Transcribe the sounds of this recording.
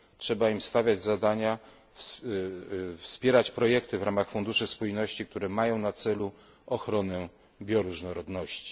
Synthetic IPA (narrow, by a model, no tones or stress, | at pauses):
tʂɛbaimst̪avʲjad͡ʑzad̪aɲa | s | fspʲjɛɾat͡ɕpɾɔjɛkt̪ɘvɾamaxfund̪uʂɘspujnɔɕt͡ɕik̚t̪uɾɛmajɔ̃w̃nat̪sɛlu | ɔxɾɔnɛ | bʲjɔɾuʐnɔɾɔd̪nɔɕt͡ɕi̥